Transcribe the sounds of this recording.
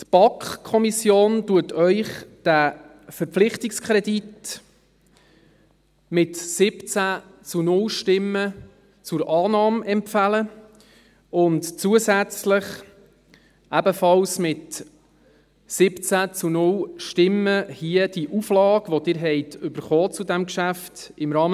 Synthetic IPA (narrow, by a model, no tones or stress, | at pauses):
tb̥ɑkχkʰːɔmisjoːntuətʰœʏχd̥æ | fəɾflɪχtɪkskʰɾɛdit | mɪtsɪpt͡sæt͡sunʊlʃtɪmːə | t͡sʊɾʔɑːnɑːmɛmpfælə | ʊntt͡suəzæt͡sləχ | ʔæbəfɑlsmɪt | sɪpt͡sæt͡sunʊlʃtɪməhiəd̥iʔuflɑːɡʋɔd̥ɪɾɦɛjtʏbəɾχɔːt͡sudæmkʃæft | ɪmɾɑːm